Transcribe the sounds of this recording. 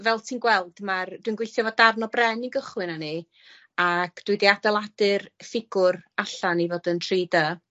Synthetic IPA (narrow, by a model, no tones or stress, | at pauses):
vɛlˠtʰiːnɡwɛlˠd̥mard̥winɡwejθjɔvɔdarnɔbrɛniɡəχwɨnani | akʰd̥wʊjdiadɛlˠadɨrfɪɡ̥ʊraɬanivoːdəntʰriːdə